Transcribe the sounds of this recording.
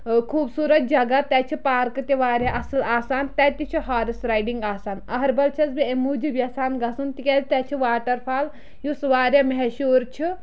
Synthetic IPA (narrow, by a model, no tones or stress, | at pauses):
kʰuːbsuːɾɐt̪̚d͡ʒɐɡat̪ɛt͡ʃʰipaːɾkɨt̪iʋaːɾʲjaʔɐsɨlaːsaːnt̪ɛt̪it͡ʃʰiɦaːɾisɾajɖiŋɡaːsaːnɐɦɐɾʲbɐlt͡ʃʰɐzbiemuːd͡ʒibiɐsaːnɡɐsunt̪ikʲɛt̪ɛt͡ʃʰiʋaːʈɐɾpʰaːl | jusʋaːɾʲjɐmɐɦɛʃuːɾt͡ʃʰi